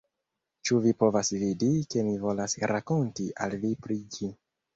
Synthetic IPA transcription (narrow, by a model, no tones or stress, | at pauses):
t͡ʃuvipo̞vasvidike̞mivo̞lasɾʔako̞ntiʔa̰lvipɾid͡ʒi